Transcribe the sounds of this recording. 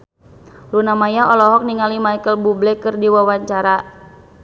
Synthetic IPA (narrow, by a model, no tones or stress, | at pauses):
lunamajaʔɔlɔɦɔk̚niŋalimajkəlbublɛkɨrdiwawaɲt͡ʃaɾa